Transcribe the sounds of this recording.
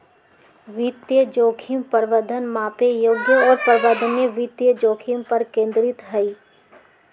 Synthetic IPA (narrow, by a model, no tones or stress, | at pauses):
ʋit̪jəd͡ʒoːkʰimpəɾʋəd̪ʱənmaːpejoːɡjəɔːɾpəɾʋəd̪ʱənjəʋit̪jəd͡ʒoːkʰimpɐɾkẽːnd̪ɾɪt̪ɦɐi